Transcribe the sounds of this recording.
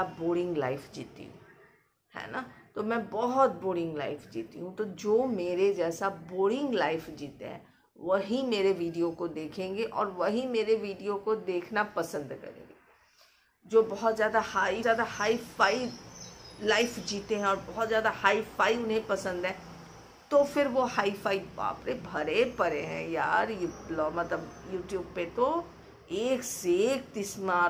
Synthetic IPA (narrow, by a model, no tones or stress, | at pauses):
boːɾɪ̃ŋɡla̰ːɪfd͡ʒḭːt̪ḭɦṵ̃ | hɛ̰ːnat̪omɛ̃ːbɔɦɔt̪̚boːɽɪ̃ŋɡla̰ːɪfd͡ʒiːt̪ḭɦũt̪od͡ʒoːmeːɾed͡ʒɛːsaboːɽɪ̃ŋɡlaːɪfd͡ʒiːt̪ḛɦɛ̰̃ː | ʋɐɦimeːɾeʋiːɖijokod̪eːkʰẽːŋɡeʔɔ̰ːɾʋɐɦimeːɾeʋiːɖijokod̪eːkʰnapɐsə̃nd̪kɐ̰ɾḛ̃ːŋɡeː | d͡ʒoːbɔɦɔt̪zjaːd̪ahaːijaːd̪ahaːifaːi | laːɪfd͡ʒiːt̪eɦɛ̃ɔːɾbɔɦɔt̪zjaːd̪ahaːifaːiʊnɦẽpɐsə̃nd̪ɦɛ̃ː | t̪ofɪɾʋohaːifʰaːia̰ːpɾebʱɐɾepɐɾeɦɛ̰̃jaːɾjlɔːmɐt̪ləbjuːʈjuːbpet̪o | eːkseːk̚t̪ɪsmaː